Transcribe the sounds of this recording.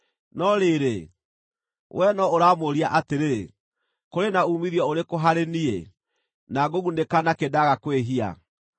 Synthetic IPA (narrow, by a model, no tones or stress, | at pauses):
nɔɾeːɾe | wʔɛnɔoɾaːmoɾiaʔateɾe | koɾenaumiðjɔoɾekoɦaɾeniḛ | naɡoɣunekanakedaɣakweɦia̰